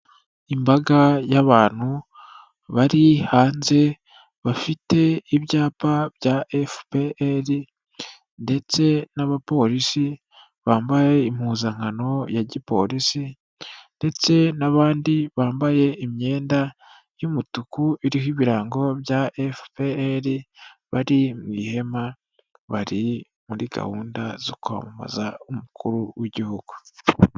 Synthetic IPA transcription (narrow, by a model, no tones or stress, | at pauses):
imbaɡajaβaːn̥hu | βaɾihaːnze̞ | βafite̞iβjaːpaβjaʔefpeʔeɾi | nde̞t͡se̞naβapo̞ɾisi | βaːmbaje̞imhuːzaŋano̞jaɟipo̞̰ɾisi | nde̞t͡se̞naβaːndiβaːmbaje̞imɲe̞ːnda | jumutukuiɾihiβiɾaːŋɡo̞bjaʔefpeeɾiβaɾimŋiːhe̞ma | βaɾi | muɾiɡa̰huːndazo̰kua̰muma̰zaumukʰuɾuwiɟihuɡ̥u